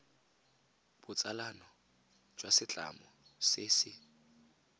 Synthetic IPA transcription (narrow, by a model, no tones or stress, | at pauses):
b̥ʊt͡sʼalanɔ | d͡ʒwasɪt͡ɬʼa̰mɔseːsɪ